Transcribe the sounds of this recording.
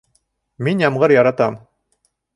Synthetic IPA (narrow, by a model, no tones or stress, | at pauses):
minjɑmʁɤɾjɑɾɑt̪ɑm